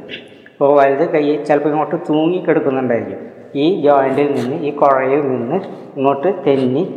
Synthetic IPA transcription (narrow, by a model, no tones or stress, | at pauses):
poːʋɐlðɨkɐjːit͡ɕɐlpːɐiŋːo̞ːʈːɨt̪uːŋːikʲːeɽukːunːɐuɳɖaːiɾikːum | iːd͡ʑoːjɐɳɖilninːɨiːkorɐjɐninːɨ | iŋːo̞ːʈːɨt̪enːi